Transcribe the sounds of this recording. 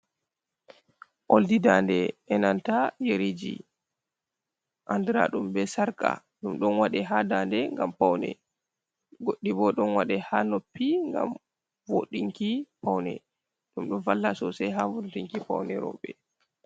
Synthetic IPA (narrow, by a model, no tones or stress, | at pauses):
ʔoldidandɛɛnantajeɾid͡ʒḭ | ʔandɨɾa̰ɗumbɛsaɾka̰ | ɗumɗɔnwaɗɛɦadandɛŋɡampawnɛ̰ | ɡoɗːibɔɗɔnwaɗɛhanopːiŋɡa̰m | voɗiŋkipawnɛ̰ | ɗumɗɔnvalːasɔsɛjɦavodtiŋkipa̰wnɛɾɔ̰ɓɛ